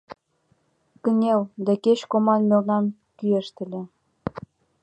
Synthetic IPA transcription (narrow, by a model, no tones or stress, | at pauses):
kə̆nʲeld̪æket͡ɕkomɑnmʲelnɑn | kyeʃt̪ə̆lʲĕ